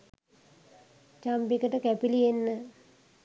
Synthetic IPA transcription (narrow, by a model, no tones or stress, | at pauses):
t͡ʃampikəʈəkæpilienːə